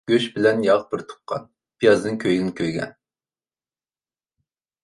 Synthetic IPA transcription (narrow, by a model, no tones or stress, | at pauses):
ɡ̥ʲøʃbɪlɛnjɑʁbɪɾt̪ʰʊ̥p̚qʰːɑ̰n | pʰijɑzd̪ɨŋkʲʰøjɡɪnɪkʲʰøjɡʲɛ̰n